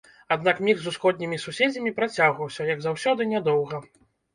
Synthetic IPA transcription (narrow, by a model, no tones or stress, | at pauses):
ad̪nakmʲixzusxɔd̪̚ʲnʲimʲisusʲed͡zʲɐmʲipɾat͡sʲaɣvɐwsʲɐjɐɡzawsʲɔd̪ɨnʲɛd̪ɔwɣɐ